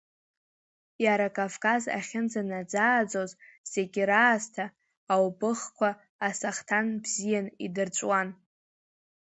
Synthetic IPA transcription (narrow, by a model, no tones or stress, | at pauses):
jaɾakʼavkʼaza̰χʲɪnd͡zanad͡zaːd͡zozz̥eɡʲɪɾaːztʰaː | wbʼɨχkʷʰaː | saχtʰanbzijanidɨrt͡ʃʷʼwan